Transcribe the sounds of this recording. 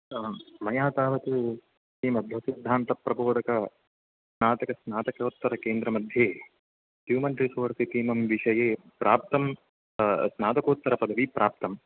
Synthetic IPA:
mɐjaːt̪aːʋɐt̪u | iːmɐd̪ʱjɐsid̪ʱːaːnt̪ɐpɾɐboːd̪ɐkɐ | snaːt̪ɐkɐsnaːt̪ɐkoːt̪ːɐɾɐkeːnd̪ɾɐmɐd̪ʱjeː | ɦjuːmɐnʈɾisoːɾsit̪iːmɐmʋiʃɐjeː | pɾaːp̚t̪ɐm | snaːt̪ɐkoːt̪ːɐɾɐpɐd̪ʱɐʋipɾʔaːp̚t̪ɐm

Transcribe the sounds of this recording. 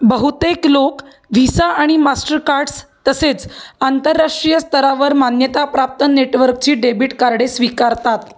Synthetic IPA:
bəɦut̪eklok | ʋisaaɽ̃imasʈəɾkaɾɖst̪əset͡sant̪əɾːaʂʈɾijəst̪əɾaʋəɾmanjət̪apɾap̚t̪ənːeʈʋəɾkt͡ɕiːɖebiʈkaɾɽesʋikaɾt̪at̪

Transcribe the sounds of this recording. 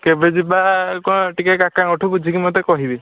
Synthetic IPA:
kebed͡ʒibakɔʈikakakaŋɔʈʰubud͡ʒʱikimot̪ekɔɦibi

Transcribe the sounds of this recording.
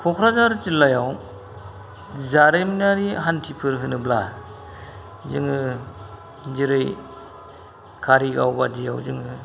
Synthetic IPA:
kʰɔkʰɾazaɾtilːajaw | zaɾɯjminaɾiɦantʰipʰɯɾɦɯnɯbla | zɯŋɯ | ziɾɯj | kʰaɾiɡawbadija̰wzɯŋɯ

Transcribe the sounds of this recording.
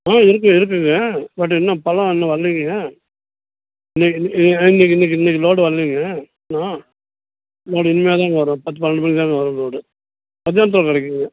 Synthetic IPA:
aːɪɾɯkːɯ̃ɪɾɯk̬ːɯŋɡɐbɐʈ̬ːɯɛnːɐpɐlɐ̃ɛnːɐʋɐɭːiŋɡŋɡɐ | ɪnːɛkːɪnɪnːɛk̬ːɪnːɛk̬ːiɪnːɛk̬ːiloːɽɯʋɐɭːiŋɡɐ | nãː | loːɽɪnːɯmɐjaːt̪̬ãːŋɡɐʋɐɾõːpɐt̪̬ːɯpɐnːɐɳɖɯpɐnt̪ãːŋɡɐʋɐɾõːloːɽɯ | mɐd̪jaːnɐt̪ɯɾokɐɽɛkːɯŋɡɐ

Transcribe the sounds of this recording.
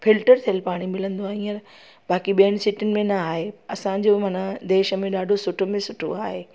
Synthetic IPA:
fʰɪlʈəɾt̪ʰijəlpaːɽ̃imɪlə̃nd̪oaːɦĩːəɾ | baːkiɓiəɽ̃ɪ̆sɪʈɪnɪ̆mẽnɐaːɦeɐsãd͡ʑomãːnad̪eːʃə̆mẽɗaːɖʱosʊʈʰomẽsʊʈʰo̰aːɦeː

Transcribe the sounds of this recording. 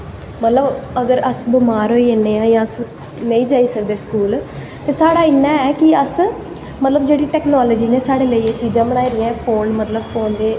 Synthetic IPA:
mət̪ləbəɡəɾəsbʊmaːɾɦoːiːeːnːeːãːjãːəs | nəĩːd͡ʒaːiːsəkd̪eːskuːl | t̪eːsaːɽaːɪnːãːɛːkɪəs | mət̪ləbd͡ʒeːɽiːʈɛːknɔːləːd͡ʒiːneːsaːɽeːləiːt͡ʃiːd͡ʒãːbəɽ̃aːiɾɪjãpʰoːnmət̪ləbpʰoːnd̪eː

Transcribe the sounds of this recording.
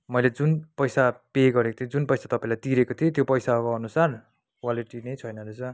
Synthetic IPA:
mʌjled͡zunpʌjsapeɡʌɾeko̥t̪ʰjod͡zunpʌjsat̪ʌpaĩlajt̪iɾekot̪ʰiot̪jopʌjsakoʌnusar | kwaliʈinʌjt͡sʰʌjnʌɾet͡sʌ

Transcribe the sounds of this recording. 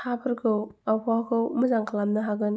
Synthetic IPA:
habɯɾkʰɯwawkʰakʰɯwmɯzaŋkʰalamnɯɦaɡɯn

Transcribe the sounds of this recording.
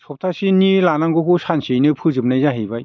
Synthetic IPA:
sɔp̚tʰasinilanaŋɡɔkusansijnɯpʰɯzɯp̚najzaɦijbaj

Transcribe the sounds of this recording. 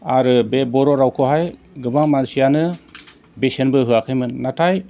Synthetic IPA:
aɾɯbebɔɾɔɾawkʰɔɦaj | ɡɯbaŋmansijanɯ | besenbɯɦɯakʰajmɯnːatʰaj

